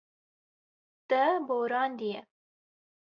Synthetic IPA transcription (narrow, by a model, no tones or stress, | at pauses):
t̪ɐboːɾɑːnd̪ijɛ